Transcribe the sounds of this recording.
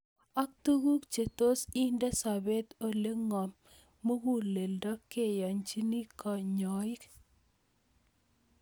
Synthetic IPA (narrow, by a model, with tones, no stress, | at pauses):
a˦k̚tu˦ɡu˦kt͡ʃe˨to˦si˦ndɛ˦sa˨be˦t̪o˨le˦ŋɔ˨mː | o˦ɡu˦˨le˨ldɔ˦ke˨ja˨ɲt͡ʃi˦ni˦kʰɔ˨ɲɔ˨˦ɪ˦k